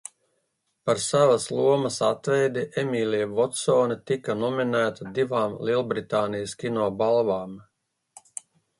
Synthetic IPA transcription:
paɾsavɐslˠuɔmɐsat̪vɛjd̪iʔemiːlʲiɛvɔt̪soːnit̪ikɐnɔminæːt̪ad̪ivaːmlˠilˠbɾit̪aːnijəskʲinɔːbalˠvaːm

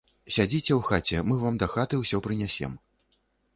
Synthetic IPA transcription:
sʲad͡zʲit͡sʲɛwxat͡sʲɛmɨvamd̪ɐxat̪ɨwsʲɔpɾɨnʲasʲɛ̰m

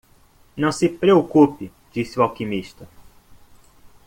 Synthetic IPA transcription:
nɐ̃w̃sɪpɾeokupɪ | d͡ʒisɪuwawkimiʃt̪ɐ

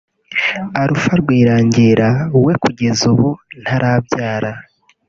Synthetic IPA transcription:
aɾufaɾɡwiːɾaːɲɟeɾawe̞kuɟe̞zuβon̥haɾʔaːbjaːɾa

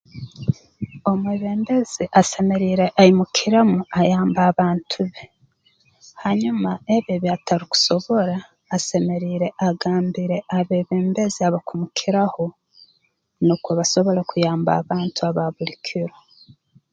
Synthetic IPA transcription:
o̞mweβeːmbe̞ziʔase̞me̞ɾiːɾe̞ʔaimukʰiɾamuajaːmbaβaːntʰuβe | haɲumaeβeβjataɾiku̥so̞βo̞ɾaː | se̞me̞ɾiːɾe̞ʔaɡaːmbiɾe̞ʔaβeβe̞ːmbeziaβakumukʰiɾaho̞ | nokoβaso̞βo̞ɾekujaːmba̰ːβaːntuaβaβulikʰiɾo

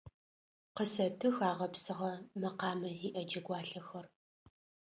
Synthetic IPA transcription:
qəsɐtʰɨxaːʁɐpsɨʁɐmɐqɑːmɐziːʔɐd͡ʒɐɡʷɑːɬɐxɐr

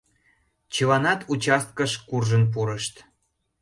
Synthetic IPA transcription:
t͡ɕəlɑnɑt̪ut͡ɕɑst̪̚kəʃkurʒənp̬uɾəʃt̪

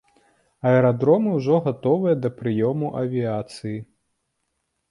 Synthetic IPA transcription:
ɐɛɾad̪ɾɔmɨwʐɔɣat̪ɔvɨjɐd̪ɐpɾɨjɔmuʔɐvʲiat̪sɨji

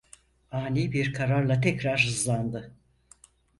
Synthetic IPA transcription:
aːnʲiːbiɾkʰaɾaɾlˠat̪ʰɛcɾaɾhɯzlˠand̪ɯ

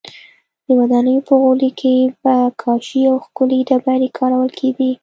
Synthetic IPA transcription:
d̪̥əwad̪ɑnəjopəɣʊlikʰebakʰɑʃiawxkʊlid̪abajɾekʰɑɾawəlkʰeɡi

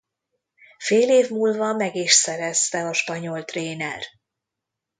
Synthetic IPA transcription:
feːleːvmuːlvɒmɛɡiʃsɛɾɛst̪ɛɒʃpɒɲo̞lt̪reːnɛ̰r

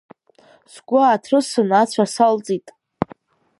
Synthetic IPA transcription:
sɡʷʊːtʰrɨsɨnat͡ɕʷʰasalt͡sʼitʼ

